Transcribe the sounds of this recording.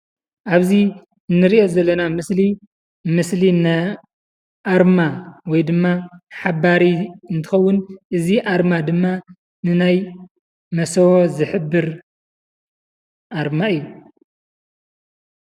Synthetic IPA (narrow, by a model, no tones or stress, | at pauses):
ʔaβzi | ɨnːɨɾiʔo̞zɐlːɐnamɨsli | mɨslina | ʔaɾmawɔjd̪ɨmːaħabaɾiɨnt̪ʰɨxɐwːʊnʔɨziʔaɾmad̪ɨmːa | nɨnaj | mɐsɐwozɨħɨbːɨɾ | ʔaɾmaɨjːu